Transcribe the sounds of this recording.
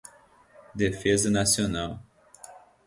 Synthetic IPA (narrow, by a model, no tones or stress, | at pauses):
d̪efezɐnasionaw